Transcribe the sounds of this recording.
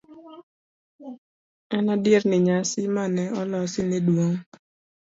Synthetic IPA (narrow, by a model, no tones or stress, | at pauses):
ɛnadjernɪɲasɪmanɛɔlɔsɪnɪdwoŋ